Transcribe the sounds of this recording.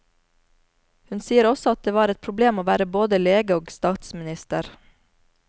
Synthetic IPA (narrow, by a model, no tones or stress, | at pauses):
hʉnsiːəɾɔsɔɑt̪̚d̪eːʋɑːɾɛt̪̚pʰɾʊbleːmoːʋæːɾəboːd̪əleːɡəoːɡst̪ɑːt̪smɪnɪst̪əɾ